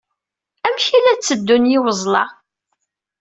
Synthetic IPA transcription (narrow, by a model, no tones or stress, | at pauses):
æmçilæt͡sːəd̪ːunjɪwəzˤlɑ